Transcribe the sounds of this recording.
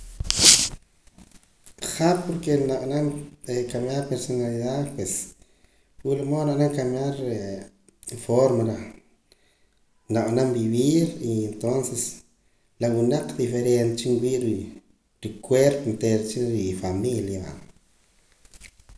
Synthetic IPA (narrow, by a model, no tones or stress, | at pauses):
χapoɾkenaʔnankamjaɾpeɾsonaliðaðpwes | wilamonaʔnaŋkamjaɾe | foɾmaɾa | naʔnambiβiɾient̪onses | lawunaq͡χd̪ifeɾent̪t͡ʃiŋwiʔɾi | ɾikweɾpont̪eɾt͡ʃiɾifamiljaba̰